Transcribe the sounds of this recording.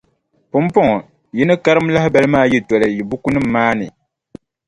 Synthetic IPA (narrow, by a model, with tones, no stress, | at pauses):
pʊ˦m˦pɔ˦ŋ˨ | ji˦nɨ˦ka˦ɾɨ˦m˦la˦hba˦lɨ˦maː˦˨ji˦tɔ˨lɨ˨ji˨bu˦ku˦nɨ˦m̩ː˦aː˦nɨ̰˨